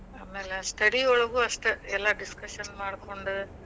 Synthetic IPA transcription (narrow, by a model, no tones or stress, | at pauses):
aːmeːlɛsʈɐɽiɔɭɐʋɯɐsʈɐɛlːaːɖɪskɐʂɐnmaːɽɯkːoɳɖɯ